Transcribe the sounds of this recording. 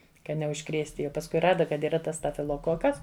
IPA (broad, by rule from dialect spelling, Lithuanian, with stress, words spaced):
kɐ nʲɛʊʃˈkrʲeːsʲtʲɪ jɛʊ pɐsˈkʊɪ ˈrɑːdɐ kɐt iːˈrɐ ˈtɐs stɐfʲɪlˠoːˈkoːkɐs